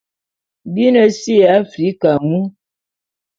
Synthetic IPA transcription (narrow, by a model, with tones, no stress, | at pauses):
bi˦nə˨si˦a˨˦fɾi˨˦ka˨mu˦